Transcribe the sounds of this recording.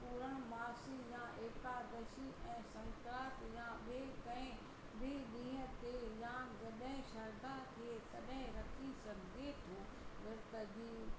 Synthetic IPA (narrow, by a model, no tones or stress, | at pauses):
puːɾəɽ̃maːsijãːʔeːkaːd̪ɐʃiʔɛ̃ːsɐ̃ŋkɾaːt̪jãɓekɐ̃ɪ̃ | bɪɗĩːɦə̆t̪ejãːd͡ʑɐɗɦɪ̃ʃɐɾd̪akʰeːt̪ɐɗɦɪ̃ɾɐkʰisɐɡʱɡet̪ʰoː | ʋɪɾt̪əd͡ʑiː